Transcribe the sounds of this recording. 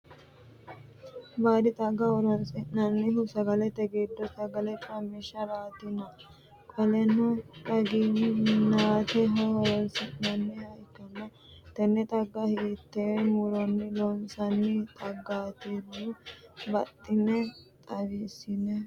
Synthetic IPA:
baːd̪ɪt̪ʼɐɡːɐɔɾɔnsʼɪnɐnːɪɦʊsɐɡɐlɛt̪ɛɡeːd̪ːɔsɐɡɐlɛpʼɐmiʃɐɾaːt̪ɪnɐ | kʼɐlɛnɔt̪ʼɐɡinɪnaːt̪ɛɦɐhɔɾɔlsɪnɐnːɛhɐjkːɐnːɐ | t̪ɛnːɛt̪ʼɐɡːɐhet̪ːemʊɾɔnːɪlɔnsɐnːɪt̪ʼɐɡːaːt̪eːɾɔbɐt̪ʼːɪnɛt̪ʼɐwiːsɪnɛ

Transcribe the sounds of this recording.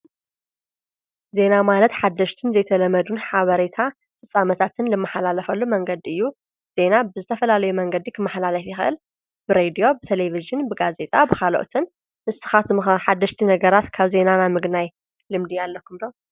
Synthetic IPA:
ze̞namalɐt̪ħad̪ːɐʃt̪ʰɨnzɐjt̪ʰɐlɐmɐd̪unħaβɐɾet̪ʰa | fɨsʼːamɐt̪ʰat̪ʰɨnlɨmːaħalalɐfɐlːumɐŋɡɐd̪iɨjːu | z̥e̞nabɨzɨt̪ʰɐfɐlalɐjumɐŋɡɐd̪ikʰɨmːaħlalɐfjɪxɐʔɨl | b̥ɨɾed̪ijo̞bɨt̪ʰeleviʒɨnbɨɡaze̞t̪ʼabɨxalo̰ʔt̪ʰɨn | mɨst̪ɨ̥xat̪ħad̪ːɐʃt̪ʰinɐɡɐɾat̪kʰaβze̞nanamɨɡnaj | lɨmd̪ialːɐkʰːumd̪o̞

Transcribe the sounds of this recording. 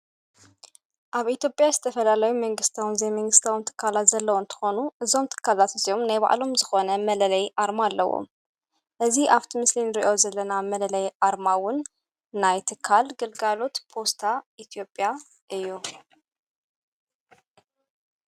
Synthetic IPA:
ʔaβʔit̪jo̞pʼjazɨt̪ʰɐfɐlalɐjumɐŋɡɨst̪ʰawnzejmɐŋɡɨst̪ʰawnt̪ʰɨ̥kʰːalat̪zɐlːɐwont̪ʰɨ̥xo̞nuʔɨzo̞mt̪ʰɨ̥kʰːalat̪ɨzijo̞mnajβa̰ʔlo̞mzɨxo̞nɐmɐlɐlɐjʔaɾmalːɐwo̰m | ʔɨziʔaβt̪ʰimɨslinɨɾiʔo̞zɐlːɐnamɐlɐlɐjʔaɾmawʊnː | ajt̪ʰɨkʰːalɡɨlɡalo̞t̪pʰo̞st̪ʰaʔit̪ʰijo̞pʼja | ʔɨjːu

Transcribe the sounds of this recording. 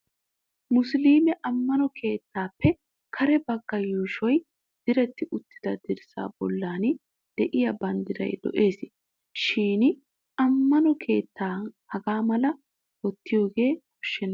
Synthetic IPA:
mʊsliːmɛʔɐmːɐnɔkʰe̞ːt̪ːaːpːɛ | kʰɐɾɛbɐɡːɐjuːʃɔj | d̪̥ɪɾɛt̪ːɪʊt̪ːɪ̥d̪ɐd̪ɪɾɪsa̰ːbɔlːaːn | d̪̥ɛʔɪjɐbɐnd̪ɪd̪ɐ̰jd̪ɔ̰ʔe̞ːsɪ | ʃiːn | ʔɐmːɐnɔkʰe̞ːt̪ːaːhɐɡaːmɐlɐ | wɔt̪ːɪjo̞ːɡe̞ːkɔʃːɛn

